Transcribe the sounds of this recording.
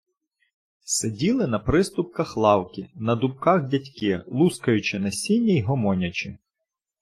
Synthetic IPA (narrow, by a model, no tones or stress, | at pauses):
sedʲilˠɪnɐpɾɪst̪ʊp̚kɐxlˠɑwkʲinɐd̪ʊpkɑxdʲɐtʲkɪlˠuskɐjʊt͡ʃɪnɐsʲinʲːɐjɦɔmɔnʲɐt͡ʃɪ